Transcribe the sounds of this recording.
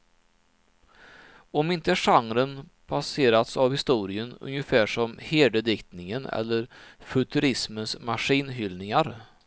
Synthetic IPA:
ɔmɪnt̪əʂaŋɾənpʰaseːɾat̪savhɪst̪uːɾɪənɵ̰njəfæːʂɔmheːd̪əd̪ɪkt̪nɪŋənɛ̰lːəɾfɵt̪ʰɵɾɪsmənsmaʂiːnɦʏlnɪŋaɾ

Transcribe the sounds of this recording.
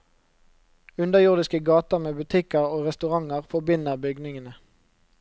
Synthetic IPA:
ʉnd̪əjʊʁd̪ɪskəɡɑːt̪əʁmeːbʉt̪ʰɪkəʁoːʁɛst̪ʉʁɑŋəʁfɔbɪnəʁbʏɡnɪŋənə

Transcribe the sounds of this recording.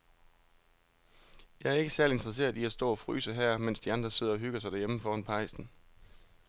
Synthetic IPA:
jɑ̈ɪæɐe̝ɡ̥əsæɐlie̝nd̥ʁɐs̬e̝̰ːɐðˠiæsd̥ɔ̰ːɒfʁy̰ːsəɦæɐ̰men̰sd̥iɑ̈nd̥ʁɐse̝ð̰ˠɐɒ̽ɦyɡ̥ɐsɑɪd̥æɐjeməfɒːhɒnpʰɑ̈ɪ̰sn̩

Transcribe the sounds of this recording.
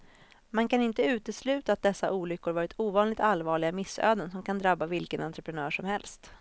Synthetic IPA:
mankanɪnt̪əʉ̟ːt̪əslʉ̟ːt̪aːt̪̚d̪ɛsːaʔuːlʏkːʊɾvɑːɾɪt̪ʰuːvɑːnlɪɡ̚t̪alvɑːɭɪɡamɪsːø̰ːd̪ənsɔmkʰand̪ɾabːavɪlkənant̪ɾəpɾɛnœːʂɔmhɛlst̪

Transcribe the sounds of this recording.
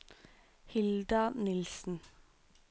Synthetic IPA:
hɪld̪ɑnɪlsn̩

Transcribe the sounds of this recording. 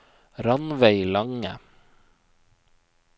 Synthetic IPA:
ɾɑnʋæɪlɑŋə

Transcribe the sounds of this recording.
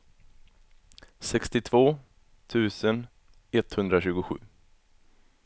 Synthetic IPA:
sɛkst̪ɪt̪ʰvoː | t̪ʰʉ̟ːsən | ɛt̪ːhɵnd̪ɾaɕʉ̟ːɡʊɧʉ̟̰ː

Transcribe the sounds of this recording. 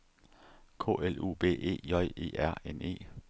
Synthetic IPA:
kʰo̰ːelṵːb̥e̝̰ːʔe̝̰ːjɒ̽ɪ̰e̝̰ːæɐ̰ene̝̰ː

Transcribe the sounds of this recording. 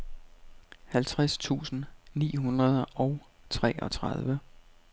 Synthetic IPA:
hælt͡sʰʁast͡sʰṵːsn̩nḭːɦunʁɐð̞ˠɒ̽ʊ | t͡sʰʁɛ̰ːʔɒ̽t͡sʰʁaðˠʋə

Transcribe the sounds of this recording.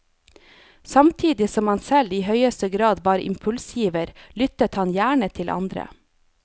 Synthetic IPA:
sɑmt̪ʰiːd̪ɪsɔmɑnsɛliːhœʏəst̪əɡɾɑːd̪ʋɑːɾɪ̰mpʰʉlsiːʋəɾlʏt̪ət̪hɑnjæːɳət̪ʰɪlʔɑ̰nd̪ɾə̰

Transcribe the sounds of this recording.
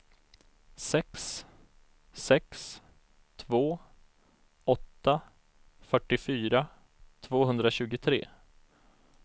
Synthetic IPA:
sɛks | sɛks | t̪ʰvoː | ɔt̪ːa | fœʈːɪfyːɾa | t̪ʰvoːɦɵnd̪ɾaɕʉ̟ːɡʊt̪ʰɾḛː

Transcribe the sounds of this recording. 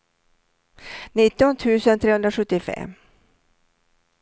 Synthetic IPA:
nɪt̪ːɔnt̪ʰʉ̟ːsənt̪ʰɾeːhɵnd̪ɾaʂɵt̪ːɪfɛ̰m

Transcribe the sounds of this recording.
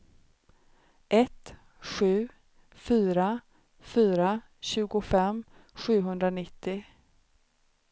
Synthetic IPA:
ʔɛt̪ | ɧʉ̟ː | fyːɾa | fyːɾa | ɕʉ̟ːɡʊfɛmɧʉ̟ːɦɵnd̪ɾanɪt̪ːɪ

